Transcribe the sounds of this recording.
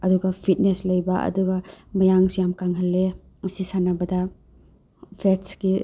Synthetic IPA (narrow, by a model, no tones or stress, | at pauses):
ɐduɡɐpʰit̚neslɐjbɐʔɐ̰duɡɐmɐjaŋsujamkaŋɦɐlːe | ɐsisanɐbɐdɐ | pʰetsɡi